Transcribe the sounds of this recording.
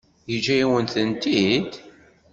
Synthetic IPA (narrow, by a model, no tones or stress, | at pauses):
jid͡ʒæjiwənθənt̪id̪